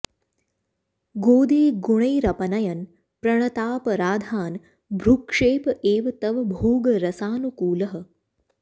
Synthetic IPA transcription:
ɡoːd̪iːɡuɳ̃ɐjɾɐpɐnɐjɐn | pɾɐɳ̃ɐt̪aːpɐɾaːd̪ʱaːn | bʱɾukʂeːpɐʔeːʋɐt̪ɐʋɐbʱoːɡɐɾɐsaːnukuːlɐɦɐ̆

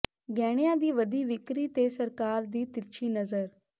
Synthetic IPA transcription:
ɡɛːɽ̃ejãːd̪iːʋəd̪iːʋɪkɾiːt̪eːsəɾkaːɾd̪iːt̪ɪt͡ʃʰiːnəzəɾ

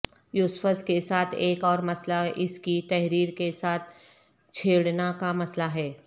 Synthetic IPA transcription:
jʊsfəskesaːt̪ʰeːkɔːɾmɐslaʔɪskit̪ɛɦɾiːɾkesaːt̪̚ʰ | t͡ʃʰeːɽnakamɐslaɦɛː

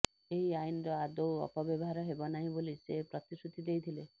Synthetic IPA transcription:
eɦiajnɔɾɔad̪owɔ̰pɔbjɔbɔɦaɾɔɦebɔnaɦĩbolisepɾɔt̪isut̪id̪ejt̪ʰile

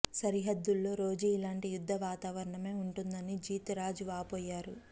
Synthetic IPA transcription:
sɐɾiɦɐd̪ːulːo̞ːɾo̞ːd͡ʒuilaːɳʈijud̪ʱːɐʋaːt̪aːʋɐɾɐɳɐme̞ːuɳʈund̪ɐnid͡ʒiːt̪ɐɾaːd͡ʒuʋaːpoːjːaːɾu

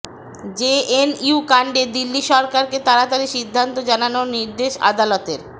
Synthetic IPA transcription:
d͡ʑeeniukaɳɖed̪ilːiʃɔɾkaɾket̪aɾat̪aliʃid̪ʱːant̪od͡ʑananoniɾd̪eʃa̰d̪alɔt̪eɾ

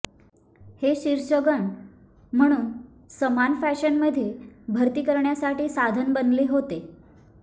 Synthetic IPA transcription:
heɕiɾɕəɡəɳ | m̤əɽ̃uːn | səmanfæɕənməd̪ʱjebʱəɾt̪iːkəɾɳjasaʈiːsad̪ʱənbənleɦot̪e

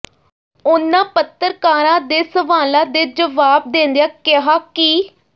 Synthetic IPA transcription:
ʊnãːpət̪ːəɾkaːɾãːd̪eːsəʋaːlãːd̪eːd͡ʒəʋaːb̚d̪ẽːnd̪ejaːkɪɦaːkiː

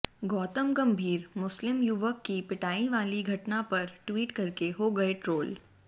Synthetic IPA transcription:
ɡɔːt̪əmɡɐmbʱiːɾmʊslɪmjʊʋəkːipɪʈaːiʋaːliɡʱɐʈnapɐɾʈwiːʈkɐɾkeɦoːɡɐeʈɾoːl

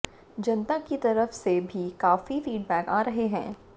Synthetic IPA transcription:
d͡ʒɐ̃nt̪akit̪ɐɾəfsebʱikaːfifiːɖbɛːkaːɾɐɦeɦɛ̰̃ː

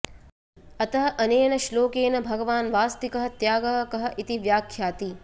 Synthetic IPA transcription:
ɐt̪ɐɦɐ̆ʔɐneːnɐʃloːkeːnɐbʱɐɡɐʋaːnʋaːst̪ikɐɦɐ̆t̪jaːɡɐɦkɐɦɐ̆ʔit̪iʋjaːkʰːjaːt̪i

